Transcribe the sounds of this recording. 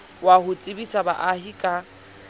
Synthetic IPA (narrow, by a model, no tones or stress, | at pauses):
wahʊt͡sʼɪbisaba̰ʔahikʼa